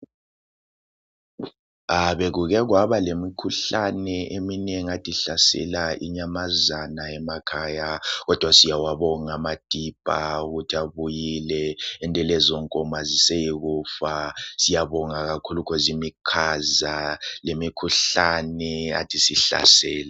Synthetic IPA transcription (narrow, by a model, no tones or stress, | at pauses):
aβeɣuɣɛɣwaβalemikʰuɬanɛʔemineŋiatʰʼiɬasɛ̰laʔḭɲamazanaɛmakʰaːjaɣɔd̥ʱwasijawaβɔŋamad̥ʱib̥ʼʱauɣutʰiaβujilɛɛntʼɛlɛzɔŋkʼɔmazisɛjiɣuːfasijaβɔŋaɣakʰulukʰɔzimikʰazalemikʰuɬanɛa̰tʰʼisiɬa̰sɛːla